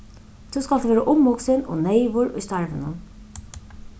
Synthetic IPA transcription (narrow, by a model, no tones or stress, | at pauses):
t̪ʰuwskalt̪vʋɛːɾaʔʊmːʊksɪnɔ̰nejvʊɹʊ̰jst̪aɹvɪ̰nʊ̰n